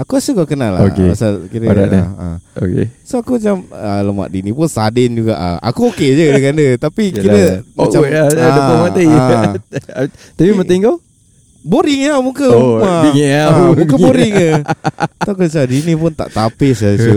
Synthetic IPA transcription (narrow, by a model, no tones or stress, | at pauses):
akuasukakənalːa̰o̰kea̰salkiɾəada̰laa̰o̰kḛsoakumat͡ʃamələma̰ʔ̚dinipʊnsadɪnd͡ʒuɡa̰ʔa̰kuoked͡ʒədəkandət̪apikiɾəmat͡ʃaaəmat̪e | t̪əbiməiŋɡo | boɾɪŋawmuŋkəmaamũkəboɾɪŋət̪akəsadinĩpʊnt̪a̰ʔt̪apɪsasu